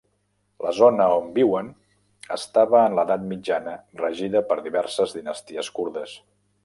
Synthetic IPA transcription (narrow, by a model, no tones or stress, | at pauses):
ləzonəombiwən | ə̰st̪aβəːnləðat̪mid͡ʒanərəʒiðəpəɾðiβɛɾsəzðinəst̪iəskuɾðəs